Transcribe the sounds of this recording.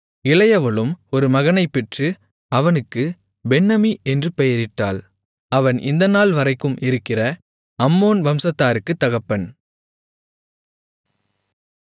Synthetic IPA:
ɪlɐjɐʋɐɭɯmɔɾɯmɐɣɐnɐɪpːɛʈrɯ | ɐʋɐnɯkːɯ | bɛnːɐmiʔɛndrɯpɛjɐɾɪʈːaːl | ɐʋɐnʔɪ̰nd̪ɐnaːlʋɐɾɐɪkːɯmʔɪɾɯkːɪrɐ | ɐmːoːnʋɐmsɐt̪ːaːɾɯkːɯt̪ːɐɣɐpːɐn

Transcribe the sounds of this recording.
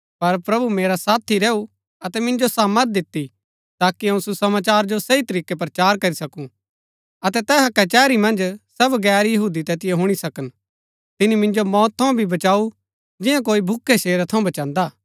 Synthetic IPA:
pɐɾpɾɐbumeːɾasaːt̪ʰiɾɛːu | ɐt̪ɛmɪ̃nd͡ʒosaːməɾt̪̚d̪ɪt̪ːi | t̪aːkiɐ̃ũsusɐmaːt͡ʃaːɾd͡ʒosɐit̪ɐɾiːkepɾɐt͡ʃaːɾkɐɾisɐkũ | ɐt̪ɛt̪ɛːɦɐkɛt͡ʃɛːɾimɐ̃nd͡ʒsɐbɡɛːɾjɐɦuːd̪it̪ɛːt̪ɪjeɦʊɽ̃isɐkən | t̪ɪnimɪ̃nd͡ʒomɔːt̪ʰːɐũbʱibɐt͡ʃaːu | d͡ʒɪjãk̬oːibʱʊkʰːeʃeːɾat̪ʰɐ̃bɐt͡ʃãːnd̪aː

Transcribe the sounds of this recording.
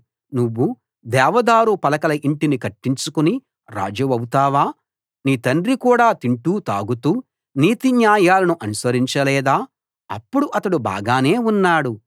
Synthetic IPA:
nuʋːu | d̪ɛːʋɐd̪aːɾupɐlɐkɐlɐʔiɳʈinikɐʈːiɲt͡ʃukuni | ɾa̰ːd͡ʒɐʋɐwut̪aːʋaː | niːt̪ɐnɖɾikuːɽaːt̪iɳʈuːt̪aːɡut̪uː | niːt̪iɲjaːjaːlɐnuʔɐnusʋɐɾiɲt͡ʃɐlɛːd̪aː | ɐpːuɽuʔɐt̪ɐɽuba̰ːɡaːne̞ːunːaːɽu

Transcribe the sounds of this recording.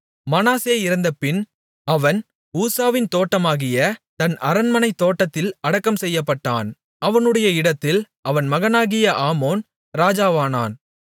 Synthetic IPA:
mɐnaːseːɪɾɯnd̪ɐpːɪn | ɐʋɐn | uːsaːʋɪnt̪oːʈːɐmaːɣɪjɐt̪ɐnɐɾɐnmɐnɐɪt̪ːoːʈːɐt̪ːɪlɐɽɐkːɐmsɛjːɐpːɐʈːaːn | ɐʋɐnɯɽɐjɐɪɽɐt̪ːɪl | ʔɐʋɐnmɐɣɐnaːɣɪjɐʔaːmoːn | ɾaːd͡ʒaːʋaːna̰ːn

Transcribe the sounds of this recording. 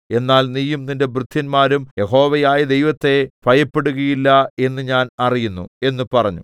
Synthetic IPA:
e̞nːaːlniːjumninde̞brɨt̪ʰːinmaːɾumje̞ɦo̞ːʋɐjaːjɐd̪e̞jʋɐt̪ːe̞pʰɐjɐpːe̞ɽuɣɐjilːɐe̞nːɨɲaːnɐrijunːṵe̞nːɨpɐrɐɲːṵ

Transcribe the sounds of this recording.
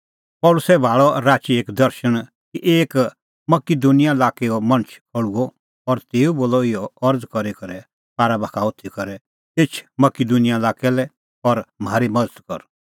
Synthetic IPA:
pɔːlʊsɛbʱaːɭɔɾaːt͡ʃieːkd̪ɐɾʃəɽ̃ | kiʔeːk | mɐkid̪unɪjalaːkeɔmɐñt͡ʃʰpʰɔɽuɔ | ɔɾt̪eːuboːlɔɪjɔɐɾd͡zkɔɾikɐɾɛ | paːɾabaːkʰaʊt̪ʰikɔɾɛ | et͡ʃʰmɐkid̪unɪjalaːkɛlɛ | ɔɾm̤aːɾimɐd̪ət̪kɔ̰ɾ

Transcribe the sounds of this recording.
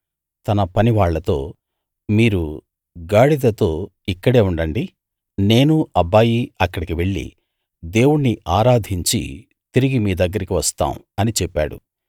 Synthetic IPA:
t̪ɐnɐpɐniʋaːɭːɐt̪o̞ː | miːɾu | ɡaːɽid̪ɐt̪o̞ː | ikːɐɽe̞ːuɳɖɐɳɖi | ne̞ːnuɐbaːjiɐkːɐɽikiʋe̞ɭːḭ | d̪e̞ːwuɽniaːɾaːd̪ʱiɲt͡ʃḭ | t̪iɾiɡimiːd̪ɐɡːɐɾikiʋɐst̪a̰ːm | ɐnit͡ʃɛpːa̰ːɽṵ

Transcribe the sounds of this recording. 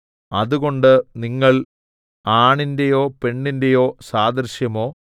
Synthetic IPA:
ɐðuɣo̞ɳɖɨniŋːɐɭ | aːɳinde̞jo̞ːpe̞ɳːinde̞jo̞ːsaːd̪ɐɾɕjɐmo̞ː

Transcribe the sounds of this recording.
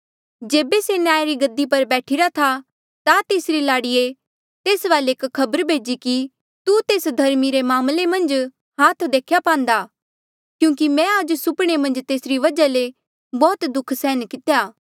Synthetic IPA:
d͡ʒeːbesenjaːjaɾiɡɐd̪ːipɐɾbɛːʈʰiɾat̪ʰa | t̪at̪eːsɾilaːɽije | t̪eːsʋaːleeːkkʰːɐbəɾbʱeːd͡ʒiki | t̪ut̪eːsd̪ʱɐɾmiɾemaːmlemɐ̃nd͡ʒ | ɦaːt̪ʰd̪eːkʰjapãːnd̪aː | kjũːk̬imɛ̃ad͡ʒsʊpɽ̃emɐ̃nd͡ʒt̪eːsɾiʋɐd͡ʒale | bɔːt̪d̪ʊkʰsɛːnkɪt̪ejaː

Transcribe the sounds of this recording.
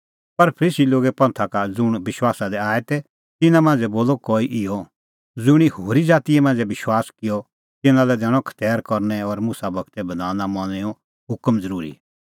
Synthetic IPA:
pɐɾpʰəɾiːsiloːɡɛpɐ̃nt̪ʰakad͡zʊɽ̃bɪʃwaːsad̪ɛaːɛt̪ɛ | t̪ɪnãmãːnd͡zɛboːlɔkɔːiʔɪjɔ | d͡zʊɽ̃ihoːɾid͡zaːt̪ijɛmãːnd͡zɛbɪʃwaːskɪjɔ | t̪ɪnãlɛd̪ɛːɽ̃ɔ̃kʰɐ̥t̪ɛːɾkɔɾnɛɔɾmʊsabɐɡt̪ɛbɐd̪aːnamɐ̃ɛɔ̃ | ɦʊkmd͡zɐɾuːɾḭ

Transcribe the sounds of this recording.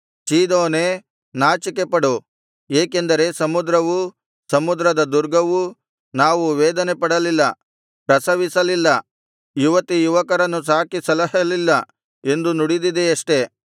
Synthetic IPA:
t͡ʃiːd̪oːne | naːt͡ʃike̞pɐɽu | eːke̞nd̪ɐɾe̞sɐmud̪ɾɐʋu | sɐmud̪ɾɐd̪ɐd̪uɾɡɐʋu | naːʋuʋeːd̪ɐnepɐɽɐlilːɐ | pɾɐsɐʋisɐlilːɐ | juʋɐt̪ijuʋɐkɐɾɐnːus̬aːkisɐlɐɦɐlilːɐ | e̞nd̪unuɽid̪id̪eɐʂʈe̞

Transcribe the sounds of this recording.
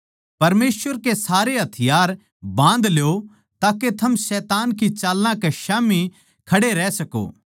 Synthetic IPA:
pɐɾmeːsʋəɾkesaːɾeɦɐt̪ʰɪjaːɾ | bãːnd̪lejo | t̪aːket̪ʰɐmsɛːt̪aːnkit͡ʃaːlːãkeʃaːmi | kʰɐɽeɾɛːsɐko̰ː

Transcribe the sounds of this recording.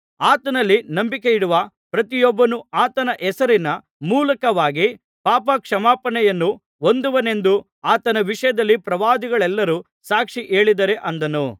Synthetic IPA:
aːt̪ɐnɐlːinɐmbikejiɽuʋɐ | pɾɐt̪ijɔbːɐnuaːt̪ɐnɐʔɛsɐɾinɐ | muːlɐkɐʋaːɡi | paːpɐkʂɐmaːpɐnɛjɐnːu | o̞nd̪uʋɐne̞nd̪u | aːt̪ɐnɐʋiʂɐjɐd̪ɐlːipɾɐʋaːd̪iɡɐɭɛlːɐɾuː | saːkʂiʔe̞ːɭid̪ɐɾe̞ʔɐnd̪ɐnu

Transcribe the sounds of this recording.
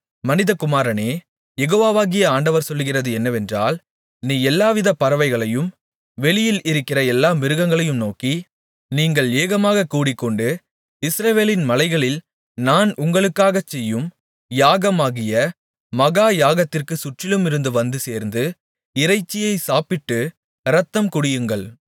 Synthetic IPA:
mɐnɪðɐkʊmaːɾɐneː | jɛɣoːʋaːʋaːɣɪjɐaːɳɖɐʋɐɾsɔlːɯɣɪrɐðɯɛnːɐʋɛndra̰ːl | niːɛlːaːʋɪðɐpɐɾɐʋɐɪɣɐɭɐjɯm | ʋɛɭɪjɪlɪɾɯkːɪrɐɛlːaːmɪɾɯɣɐŋɡɐɭɐjɯmnoːki | niːŋɡɐɭeːɣɐmaːɣɐkːuːɽɪkːɔɳɖɯ | ɪsɾɐʋeːlɪnmɐlɐɪɣɐɭɪl | naːnʔʊŋɡɐɭɯkːaːɣɐt͡ʃːɛjːɯm | jaːɣɐmaːɣɪjɐ | mɐɣaːjaːɣɐt̪ːɪrkɯsʊʈrɪlɯmɪɾɯnd̪ɯʋɐnd̪ɯseːɾnd̪ɯ | ɪɾɐɪt͡ʃːɪjɐɪsaːpɪʈːɯ | ɾɐt̪ːɐmkʊɽɪjɯŋɡɐɭ

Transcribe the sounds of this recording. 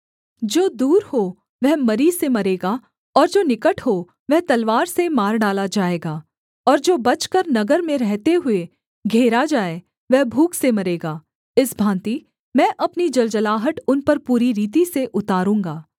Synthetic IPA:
d͡ʒoːd̪uːɾho | ʋɛɦmɐɾisemɐɾeːɡa | ɔːɾd͡ʒoːnɪkəʈʰɦo | ʋɛɦt̪ɐlʋaːɾsemaːɾɖaːlad͡ʒaːeːɡaː | ɔːɾd͡ʒoːbɐt͡ʃkəɾnɐɡəɾmẽɾɛɦt̪eɦʊe | ɡʱeːɾad͡ʒaːe | ʋɛɦbʱuːksemɐɾeːɡaː | ɪsbʱãːnt̪i | mɛ̃ːʔɐpnid͡ʒɐld͡ʒəlaːɦəʈʊnpɐɾpuːɾiɾiːt̪iseʔʊt̪aːɾũːŋɡaː

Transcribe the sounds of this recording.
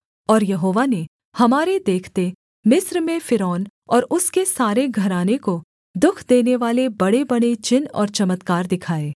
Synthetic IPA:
ɔːɾjɐɦoːʋane | hɐmaːɾed̪eːkʰt̪e | mɪsɾmẽfɪɾɔːn | ɔːɾʊskesaːɾeɡʱɐɾaːneko | d̪ʊkʰd̪eːneʋaːlebɐɽebɐɽ̃et͡ʃɪnɔ̰ːɾt͡ʃɐmət̪kaːɾd̪ɪkʰaːeː

